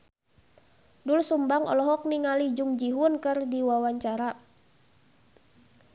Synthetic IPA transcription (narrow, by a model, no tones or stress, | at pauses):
dulsumbaŋɔ̰lɔɦɔk̚niŋalid͡ʒuŋd͡ʒiɦunkɨrdiwawaɲt͡ʃaɾa